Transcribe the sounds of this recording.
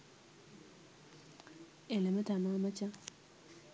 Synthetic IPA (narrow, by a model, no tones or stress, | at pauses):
elemət̪amamat͡ɕa